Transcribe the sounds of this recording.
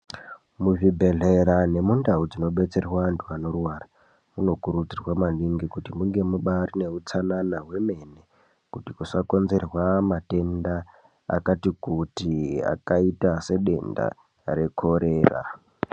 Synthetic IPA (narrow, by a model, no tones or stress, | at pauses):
muʐibʱe̞ɮeɾane̞mundaud͡zino̞ɓe̞t͡se̞rwantʰuano̞ruwara | muno̞kuɾud͡zirwamaniŋɡikutimuŋɡe̞muɓarine̞ut͡sananawe̞me̞ne | kutikusako̞nze̞rwamate̞nda | a̰katikutia̰kaitase̞ɗe̞̰nda̰ | ɾe̞kʰo̞ɾe̞ːra̰